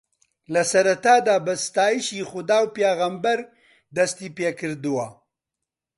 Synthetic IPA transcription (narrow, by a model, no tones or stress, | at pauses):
lasɐɾat̪aːd̪aːbɐst̪aːiʃixʊd̪aːwpeɣambɐɾ | d̪ɐst̪ipekɨɾd̪uwa